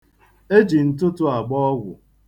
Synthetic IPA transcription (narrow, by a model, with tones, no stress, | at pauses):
e˦d͡ʒi˨n̩˦˨tʊ˦tʊ˦a˨ɡ͡bɔ˦ɔ˦ɡʷʊ̰˨